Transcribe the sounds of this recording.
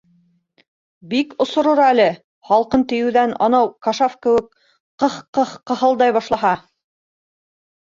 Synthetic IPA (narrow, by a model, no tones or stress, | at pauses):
bikŏsŏɾŏɾɑælɘ | hɑlˠqɤnt̪ɘ̆jɘ̆wðænɑ̰nɑwkɑʃɑfkɘ̆wɘk̚ | qɤhqɤhqɤ̆hɤlˠd̪ɑjβɑʃlˠɑɦɑ